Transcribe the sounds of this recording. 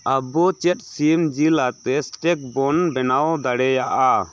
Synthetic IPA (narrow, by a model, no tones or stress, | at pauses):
abɔt͡ʃɛt̚simd͡ʒilat̪ɛsʈɛk̚bɔnbɛnawd̪aɽɛjaʔa